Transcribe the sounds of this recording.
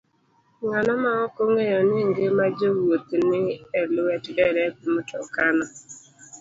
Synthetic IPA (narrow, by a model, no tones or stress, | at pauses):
ŋanɔmaɔkoŋejɔnɪŋ̩ɡemad͡ʒowotenɪelʊwetɪdɛɾetɪmʊtɔkanɔ